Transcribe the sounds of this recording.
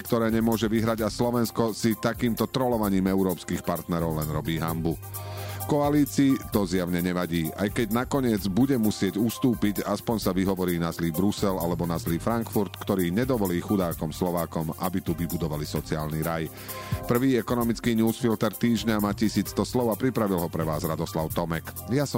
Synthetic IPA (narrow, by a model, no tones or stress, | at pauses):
kt̪ɔɾɛːɲɛmʊɔʒɛʋiɦɾaɟaslɔʋɛnskɔsit̪akiːmt̪ɔt̪ɾɔlɔʋaɲiːmɛʊɾɔːpskiːxpaɾt̪nɛɾɔʊlɛnɾɔbiːɦambu | kɔaliːt͡siːt̪ɔzjaʊɲɛɲɛʋaɟiːʔa̰jkɛɟnakɔɲɪɛd͡zbuɟɛmusɪɛɟust̪uːpiɟaspɔɲsaʋiɦɔʋɔɾiːnazliːbɾusɛlalɛbɔnazliːfɾaŋkfuɾt̪kt̪ɔɾiːɲɛd̪ɔʋɔliːxud̪aːkɔmslɔʋaːkɔmʔa̰bit̪uʋibud̪ɔʋalisɔt͡siaːlniɾaj | pr̩ʋiːɛkɔnɔmit͡skiːɲuːsfilt̪ɛɾt̪iːʒɲamaːcisiːt͡st̪ɔslɔʊapɾipɾaʋilɦɔpɾɛʋaːzɾad̪ɔslaʊt̪ɔmɛkjasɔ